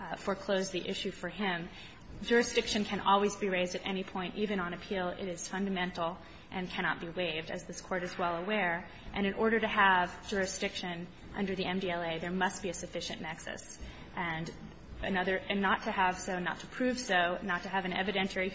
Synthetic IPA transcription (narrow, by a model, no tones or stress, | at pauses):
fə˞kʰl̥oʊzðiʔɪʃʉfə˞ɪ̃m | d͡ʒʊɹɨsd̥ɪkʃɨ̃nkʰɨ̃nʔɔ̰lˠwizbiɹeɪzdɨɾʔɛ̰ñipʰɔ̃ɪ̃ntivɨ̃nə̃nɨpʰilˠɪ̰ɾɨz̥fʌ̃ndɨmɛ̃ntˡl̩ˠ | ʔɨ̃nkʰæɾ̃ɑt̚b̥iweɪvdɨ̰zðɪskʰɔɹɾɨzwɛlˠəwɛɹ | ʔɨ̃ñɨ̃nʔɔɹɾə˞ɾɨəvd͡ʒʊɹɨsd̥ɪkʃɨ̃n | ʔʌ̰̃ndə˞ðiʔɛ̃mdiɛlˠeɪðə˞mʌst̚b̥iɨsɨfɪʃɨ̰̃nnɛksɨ̰s | ʔɨ̃n | ɨnʌðə˞ɨnːətʰɨəv̥soʊnə̰tʰə̥pʰɹ̥ʉv̥soʊnːətʰɨːvɨ̃nɛ̰vɨɾɛ̃ntʰə˞i